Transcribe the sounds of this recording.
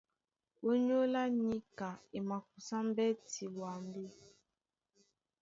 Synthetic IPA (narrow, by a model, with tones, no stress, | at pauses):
o˦ɲo˦la˦ɲi˦ka˨e˨ma˨k̚u˨sa˦m˦bɛ˦ti˨wa˨mbe˦